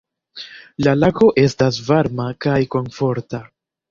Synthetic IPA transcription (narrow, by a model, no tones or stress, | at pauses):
lalako̞ʔe̞stasvaɾmakajko̞nfo̞ɾta